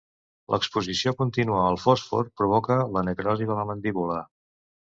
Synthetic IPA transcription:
lʔə̰kspuzisiokunt̪inuəəlˠfɔsfɔ̰rpɾuβ̞ɔkələnəkɾɔziðələmənd̪iβulə

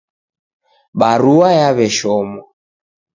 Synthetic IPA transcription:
ɓaɾuwajaβɛʃɔmwa

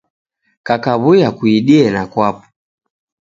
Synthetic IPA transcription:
kakaβujakuiɗiɛnakwap̚ɔ̥

